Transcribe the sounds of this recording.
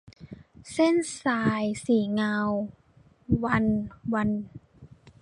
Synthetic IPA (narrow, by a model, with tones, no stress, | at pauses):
se˥˩˨nsaː˧jsiː˨˩ŋaː˧w | wa˧nwa˧n